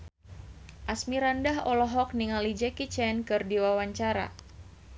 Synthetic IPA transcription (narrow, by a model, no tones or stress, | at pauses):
ʔasmiɾandaɦɔlɔɦɔk̚niŋalid͡ʒɛkit͡ʃɛnkɨrdiwawaɲt͡ʃaɾa̰